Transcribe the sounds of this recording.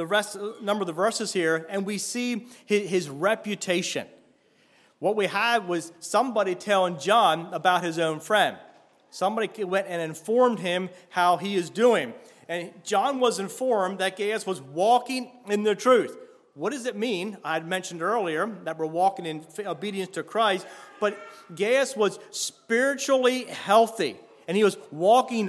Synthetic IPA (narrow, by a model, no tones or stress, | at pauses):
ðɨɹɛstnʌ̃mbə˞ʌðəvɜ˞sɨz̥hiɹɨ̃nwisiɪɪzɹɛpjɨtʰeɪʃɨ̰̃n | wʌt̚wiədwʌz̥sʌ̃mbɑɾitʰɛlˠɪ̃ŋd͡ʒɑ̃nəbaʊt̚hɨzõʊ̃nfɹɛ̃nd̥ | sʌ̃mbɑɾiwɛ̃ntɨ̃nɨ̃ɱfɔɹmd̚ɪ̃mhaʊiɨzdʉɪ̃ŋ | ɨ̃nd͡ʒɑ̃nwʌzɨ̃ɱfɔɹmðɨt̚ɡ̥eɪɨswʌzwɔkɪ̃ŋɨ̃nðɨtʰɹ̥ʉθ | wʌt̚d̥ʌzɨt̚mĩnaɪd̚mɛ̃nʃn̩dɜ˞lˠiə˞ðɨt̚wə˞wɔkɪ̃ŋɨ̃noʊbiɾiɨ̃nstʰɨkʰɹ̥aɪst̚b̥ʌt̚ɡ̥eɪɨswʌz̥spɪɹɨt͡ʃl̩ˠihɛlˠθḭ | ɨ̃niwʌzwɔkɪ̃ŋ